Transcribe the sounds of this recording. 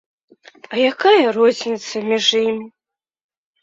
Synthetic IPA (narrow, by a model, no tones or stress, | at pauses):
ɐjakajɐrɔzʲnʲit̪sɐmʲiʐjimʲi